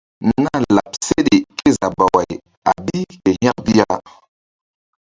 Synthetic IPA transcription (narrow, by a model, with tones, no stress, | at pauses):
n˦na˦la˨pse˦ɗe˨ke˦za˨ba˨wa˨j | a̰˨bi˦ke˨hĩ˦a˦k̚bi˦a˦